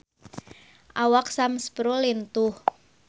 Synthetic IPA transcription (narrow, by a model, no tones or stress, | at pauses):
ʔawak̚samspɾolint̪ʊh